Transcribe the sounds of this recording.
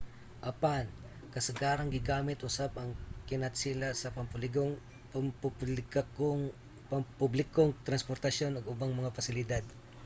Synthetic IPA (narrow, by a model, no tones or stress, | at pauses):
ʔɐpan | kɐsɐɡaːɾɐŋɡɪɡaːmɪt̪ʔʊsap̚ɐŋkɪnɐt̪sɪlasɐpɐmpʊlɪɡoŋ | mpuplɪkɐkoŋ | pɐmpublɪkoŋt̪ɾɐnspoɾt̪ɐʃjo̞noɡʊbaŋmɐŋafɐsɪlɪd̪ad̪̚